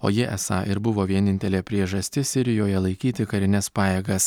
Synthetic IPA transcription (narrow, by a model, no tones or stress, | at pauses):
o̰ːjɪʔɛsɑ̰ːʔɪɾbʊʋoːʋʲiɛnʲɪnʲt̪ʲɛlʲeːpʲɾʲiɛʒɐsʲt̪ʲɪsʲɪɾʲɪjoːjɛlˠɐɪkʲiːt̪ʲɪkɐɾʲɪnʲɛspɑːjeːɡɐs